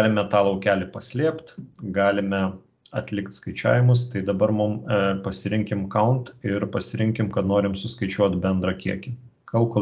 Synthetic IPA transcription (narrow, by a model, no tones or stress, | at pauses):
lʲɪmʲɛt̪ɑːlˠɐʊkʲæːlʲɪpɐsʲlʲiɛpt̪ɡɑːlʲɪmʲɛ | ɐt̪ʲlʲɪkt̪skɐɪt͡ʃʲæ̰ːʋʲɪmʊst̪ɐɪd̪ɐbɐɾmʊmpɐsʲɪɾʲɪŋʲkʲɪmkɐʊnt̪ɪɾpɐsʲɪɾʲɪ̃ŋʲkʲɪmkɐt̪noːɾʲɪmsʊskɐɪt͡ʃʲuɔt̪bʲɛnd̪ɾɐkʲiɛkʲɪ | kɐlˠko